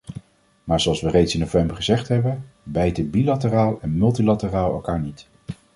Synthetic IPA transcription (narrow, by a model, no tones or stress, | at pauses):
maːɹzoɑlˠsʋərejtsɪnːowvɛmbəɹχəzɛχtɦɛbənbɛjtəbilatəraːlˠɛnmɵlˠtilatəraːlˠɛ̰lˠkaːɹnit